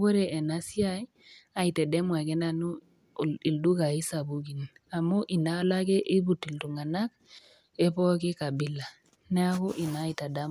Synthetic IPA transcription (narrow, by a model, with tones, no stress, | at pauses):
ɡo˦ɾe˨ʔe˨na˦si˦a˦ | a˨i˨te˨de˦mwa˨ɡe˦na˨nu˦˨ | i˨ldu˦ɡa˨i˦sa˨bu˦ɡi˨na˨mo˦ʔi˨na˦la˦ke˦ʔi˦bu˨ti˨ltu˨ŋa˨na˦k | e˦po˦ke˦ka˨bi˦la˨ | ne˦a˦ko˦ʔi˨na˨˦i˨ta˨da˦